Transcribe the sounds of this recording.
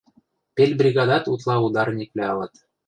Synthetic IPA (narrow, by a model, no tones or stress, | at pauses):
pʲelʲbrʲiɡɑd̪ɑt̪ut̪lˠɑud̪ɑrnʲiklʲeɑlɤt̪